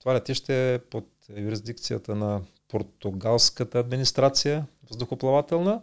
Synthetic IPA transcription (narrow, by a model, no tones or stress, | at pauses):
t̪ovalʲɛt̪iʃt̪ɛpot̪juɾizd̪ik̚t̪sijə̰t̪ənɐ | poɾt̪ʊɡalˠskət̪əːd̪minist̪ɾat̪sijəvzd̪ʊxʊplˠɐvat̪ɛlˠnə